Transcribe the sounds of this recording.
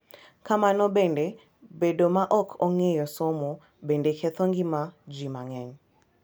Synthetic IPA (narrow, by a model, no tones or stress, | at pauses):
kamanɔbɛnde | bedomaʔɔkʰɔŋejɔsɔmɔ | bendekɛt̪ɔŋɡimad͡ʒimaŋɛɲ